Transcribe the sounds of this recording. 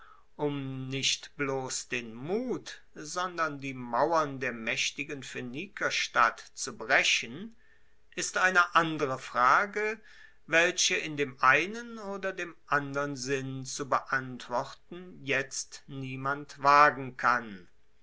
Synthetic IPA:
ʔʊmnɪʃtb̥loːsd̥eːnmuːt | zɔndɐndiːmawɐndeːɐmɛʃtɪɡənfeniːkʰɐʃtatt͡subʁɛɕən | ʔɪstʔaɪnəʔandəʁəfʁ̥aːɡə | vɛlɕəɪndeːmʔaɪnənoːdɐdeːmʔandəʁənzɪnt͡subəʔantv̥ɔʁtn̩jɛt͡stniːmantv̥aːɡŋ̩kʰan

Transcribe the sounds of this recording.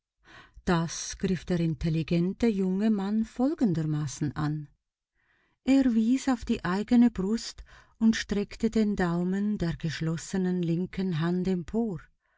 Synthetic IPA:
d̥asɡ̥ʁɪfd̥eːʁɪntʰeliɡɛntəjʊŋəmanfɔlɡən̩dəmaːsn̩ʔan | ʔeːɐviːzaʊfd̥iːʔaɪɡənəbʁʊst | ʊntʃtʁ̥ɛktədeːndaʊməndeːɐɡəʃlɔsənənlɪŋkʰənɦandɛmpʰoːʁ

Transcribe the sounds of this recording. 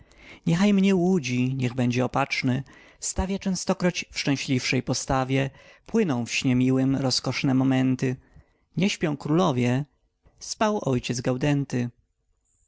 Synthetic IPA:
ɲɛxajmɲɛwud͡ʑiɲɛɣbɛɲd͡ʑɛɔpat͡ʂnɘ | st̪avʲjat͡ʂɛ̃w̃st̪ɔkɾɔt͡ɕfʂt͡ʂɛ̃w̃ɕlʲifʂɛjpɔst̪avʲjɛpwɘnɔ̃w̃fɕɲɛmʲiwɘmɾɔskɔʂnɛmɔmɛnt̪ɘ | ɲɛɕpʲjɔ̃w̃kɾulɔvʲjɛ | spawɔjt͡ɕɛd̪zɡawd̪ɛnt̪ɘ

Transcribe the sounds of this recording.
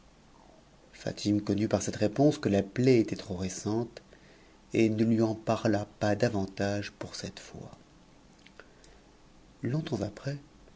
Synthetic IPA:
fa̰t̪ʰimkɔnypaʁsɛt̪ʁepɔ̃skəlaplɛet̪ɛt̪χoʁesɑ̃t̪ | enəlɥiɑ̃paʁlapad̪avɑ̃t̪aʒpuʁsɛt̪fwa̰ | lɔ̃t̪ɑ̃zapχɛ

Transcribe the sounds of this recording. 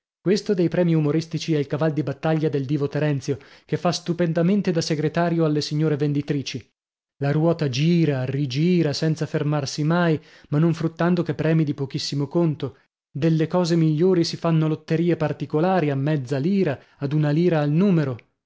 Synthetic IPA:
kwest̪od̪ejpɾɛːmiumoɾist̪it͡ʃiɛilkavald̪ibat̪ːaʎːad̪eld̪iːvot̪eɾɛnt̪sjokefːast̪upend̪ament̪ed̪aseɡɾet̪aːɾjoalːesiɲːoːɾevend̪it̪ɾiːt͡ʃi | laɾwɔːt̪ad͡ʒiːɾarid͡ʒiːɾasɛnt̪safermarsimaj | manːoɱfɾut̪ːand̪okepːɾɛːmid̪ipokisːimokont̪o | d̪elːekɔːzemiʎːoːɾisifanːolot̪ːeɾiːepart̪ikolaːɾiamːɛd̪zːaliːɾaː | d̪unaliːɾaːlnuːmeɾo

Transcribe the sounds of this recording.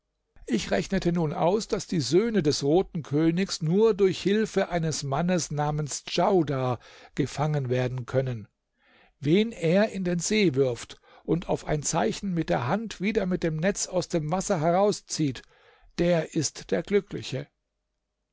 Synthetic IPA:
ʔɪçʁɛçnətʰənuːnʔa̰ʊsd̥asd̥iːzøːnədɛsʁoːtn̩kʰøːnɪçsnuːɐdʊɐçhɪlfəʔaɪnəsmanəsnaːmənsd͡ʒaʊdaːɡ̥əfaŋənveːɐdn̩kʰœnən | veːneːɐɪndeːnzeːvɪɐft | ʔʊntʰaʊfaɪnt͡saɪçn̩mɪt̚d̥eːɐɦantv̥iːdɐmɪt̚d̥eːmnɛt͡saʊsd̥eːmvasɐɦɛʁaʊst͡siːt | d̥eːɐʔɪstd̥eːɐɡlʏklɪ̰çə

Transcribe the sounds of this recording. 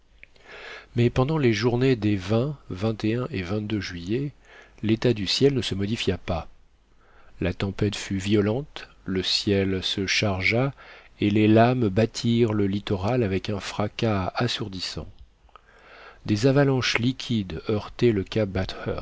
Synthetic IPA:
mɛpɑ̃d̪ɑ̃leʒuʁned̪evɛ̃vɛ̃t̪eɛ̃ʔevɛ̃t̪̚d̪øʒɥije | let̪ad̪ysjɛlnəsəmɔd̪ifjapa | lat̪ɑ̃pɛt̪fyvjɔlɑ̃t̪ | ləsjɛlsəʃaʁʒaelelambat̪ʰiʁləlit̪ɔʁalavɛkɛ̃fχakaasuʁd̪isɑ̰̃ | d̪ezavalɑ̃ʃlikʲʰid̪œʁt̪ɛləkabat̪ɛ̰

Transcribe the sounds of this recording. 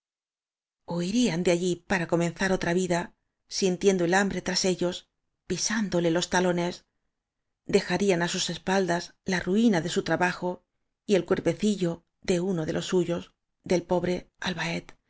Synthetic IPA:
o̞iɾiand̪eaʎipaɾako̞mẽ̞nθaɾo̞t̪ɾaβiða | sint̪je̞nd̪o̞e̞lambɾe̞t̪ɾase̞ʎo̞s | pisand̪o̞le̞lo̞st̪alo̞ne̞s | d̪e̞xaɾianasuse̞spald̪aslaruinaðe̞sut̪ɾaβaxo̞ | ie̞lkwe̞ɾpe̞θiʎo̞ | ðe̞uno̞ðe̞lʔo̞sːuʝo̞z | ðe̞lpo̞βɾe̞alβae̞t̪

